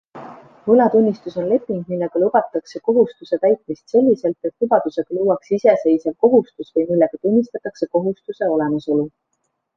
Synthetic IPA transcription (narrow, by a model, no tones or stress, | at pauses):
hɯlɑt̪unʲːist̪uso̞nle̞pːˑiŋɡ̥milːeɡ̥ɑlub̥ɑt̪ːˑɑkse̞ko̞ɦust̪use̞t̪æjt̪̚mist̪se̞lʲːise̞lt̪et̪lub̥ɑd̪̥use̞ɡ̥ɑluːwɑksise̞se̞jsevko̞ɦust̪usvɤjmilːeɡ̥ɑt̪unʲːist̪ɑt̪ːˑɑkse̞ko̞ɦust̪use̞o̞le̞mɑso̞lu